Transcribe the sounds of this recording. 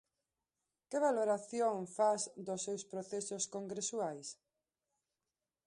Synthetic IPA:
keβaloɾaθjoŋfazd̪ʊsːewspɾoθesoskoŋɡɾesuajs

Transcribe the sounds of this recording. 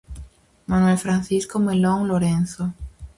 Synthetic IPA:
manwelfɾan̟θiskomelõŋloɾenθo

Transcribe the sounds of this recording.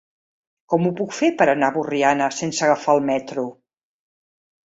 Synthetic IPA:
kɔmupukfepəɾənaβurianəsensəɣəfaəlˠmɛt̪ɾu

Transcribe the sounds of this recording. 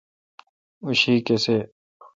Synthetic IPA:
uɕiːkese

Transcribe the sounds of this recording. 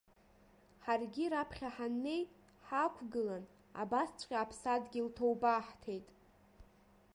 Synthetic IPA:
ħarɡʲiɾapʰχʲaħanːe̞j | ħakʷʰɡɨlan | a̰bast͡ɕʷʰʼqʲʼaːpʰsadɡʲiltʰowbaːħtʰe̞jtʼ

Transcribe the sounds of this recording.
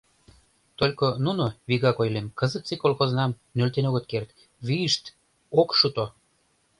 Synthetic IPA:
t̪olʲkonunoβiɣɑkojlemkə̆zət̪t͡sikolxoznɑm | nølt̪enoɣət̪kert̪ | βiəʃt̪ | okʃut̪o

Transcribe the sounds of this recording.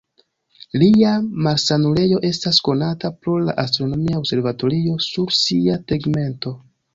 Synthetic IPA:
liamaɾsanule̞jo̞ʔe̞stasko̞natapɾo̞la̰ʔastɾo̞no̞miao̞bse̞ɾvato̞ɾio̞suɾsiateɡme̞nto̞

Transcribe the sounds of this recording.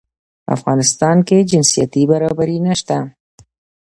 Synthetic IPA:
a̰fɣɑnɪst̪ɑnked͡ʒɪnsijat̪ibaɾɑbaɾinaʃt̪a

